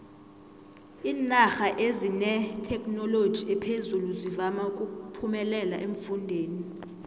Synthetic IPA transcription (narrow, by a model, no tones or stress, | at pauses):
iːnaxaʔezinɛtʰɛkʼnɔlod̥ʒ̥ʱiɛpʰezuluzivamaukʼupʰumɛlɛla̰ʔeɱfundʱeːni